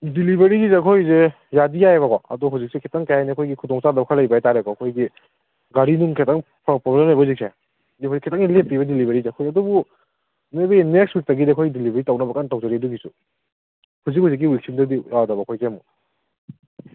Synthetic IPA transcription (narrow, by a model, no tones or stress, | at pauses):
dilibeɾiɡzekʰojze | jadijajβɐkɔɐ̰duɦawzik̚sekʰetaŋkajajniɐkʰojɡikʰudɔŋt͡ʃadɐbkʰalajbajataɾekɔɐkʰojɡi | ɡaɾinuŋkʰetaŋpʰpɾɔblemhajbɐzik̚sʰe | dikojikʰetaŋilep̚ːibɐdilibʱeɾizeɐkʰojɐdubu | mebɐinekswik̚tɐɡideɐkʰojɡidilibeɾitawnɐbɐkantawzaɾiduɡisu | huzikhawzik̬ːiwik̚simdɐdiadɐbaɐkʰojkemu